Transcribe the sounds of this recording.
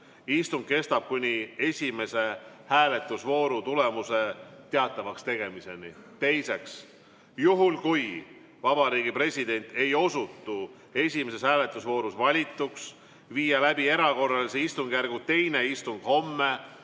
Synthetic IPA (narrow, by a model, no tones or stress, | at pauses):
ist̪uŋɡ̥̚ke̞st̪ɑb̥̚kunʲie̞sʲime̞se̞hæːle̞t̪ːˑusvo̞ːɾut̪ule̞muse̞t̪e̞ɑt̪ːˑɑvɑkst̪e̞ɡ̥e̞mise̞nit̪e̞jse̞ks | juɦulkuj | vɑbɑɾiːɡipre̞sʲid̪̥e̞nʲt̪ˑe̞jo̞sut̪ːˑu | e̞sʲime̞se̞shæːle̞t̪ːˑusvo̞ːɾusvɑlʲit̪ːˑuks | viːjɑlæbie̞ɾɑko̞rːɑliseist̪uŋɡ̥jærɡut̪e̞jne̞ist̪uŋɡ̥ho̞mːe̞